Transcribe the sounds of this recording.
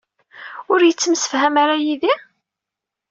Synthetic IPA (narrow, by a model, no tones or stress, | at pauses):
ʊɾjət͡sːəmsə̥fɦæmaɾajiði